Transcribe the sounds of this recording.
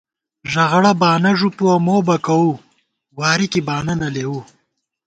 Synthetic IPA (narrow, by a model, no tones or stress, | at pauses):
ʒɐɣɽabɑːnɐʐupuamoːbɐkɐwu | wɑːɾikibɑːnɐnɐleːwu